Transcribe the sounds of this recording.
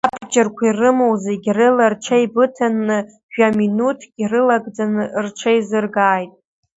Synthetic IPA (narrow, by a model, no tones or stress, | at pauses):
abd͡ʒarkʷʰirɨmowzeɡʲrɨlarʈ͡ʂʷʰaibɨtʰanːɨ | ʒᶣaminutʰɡʲirɨlaɡd͡zanɨrt͡ʃʷʰaizɨrɡaːjtʼ